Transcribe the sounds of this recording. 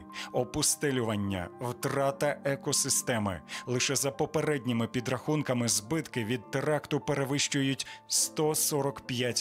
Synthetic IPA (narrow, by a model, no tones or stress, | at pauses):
ɔpʊst̪ɛlʲʊʋɐnʲːɐ̰wt̪ɾɑt̪ɐʔɛkɔsɪst̪ɛmɪ̰lˠɪʃɛzɐpɔpeɾɛdʲnʲimɪpʲid̪ɾɐxunkɐmɪzbɪt̪kɪʋʲid̪̚ːeɾɑkt̪ʊpeɾeʋɪʃt͡ʃʊjʊtʲst̪ɔsɔɾɔkpʲjatʲ